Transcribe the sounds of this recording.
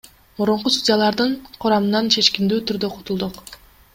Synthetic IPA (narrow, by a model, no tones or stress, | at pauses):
muɾuɴqust̪udʲijalˠɑɾd̪ɯɴqʰʊɾɑmɯnɑnt͡ʃʰe̞t͡ʃkʲind̪yːt̪ʰyɾd̪øqʰot̪ulˠd̪uq